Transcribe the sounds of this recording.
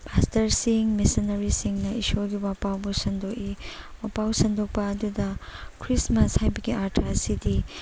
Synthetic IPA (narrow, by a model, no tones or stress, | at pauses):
pʰastɐɾsiŋmesinɐɾisiŋnɐisoɡiwapawbusɐndokiwapawsɐndok̚pɐːdudɐkʰɾismɐshajbɐɡiaɾtʰɾasidi